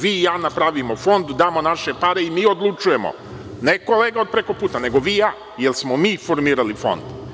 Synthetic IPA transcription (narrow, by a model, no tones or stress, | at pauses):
ʋiːjaːnapɾaʋimofo̞nd̪ud̪aːmo̞naʃe̞paɾeimiːo̞d̪lˠut͡ʃuje̞mo̰ | neko̞le̞ːɡao̞d̪̚pɾeko̞puːt̪ane̞ɡo̞ʋiːjaː | jelsmomiːfo̞ɾmiːɾalifo̞̰nd̪